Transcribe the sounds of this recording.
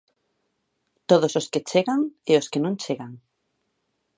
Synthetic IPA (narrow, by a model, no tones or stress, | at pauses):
t̪oðososket͡ʃeɣaŋeoskenõŋt͡ʃeɣaŋ